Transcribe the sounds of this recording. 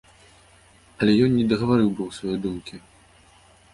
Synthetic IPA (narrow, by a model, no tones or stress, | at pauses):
ɐlʲɛjɔnnːʲɛd̪ɐɣɐvaɾɨwbɨwsvajɔjd̪umkʲi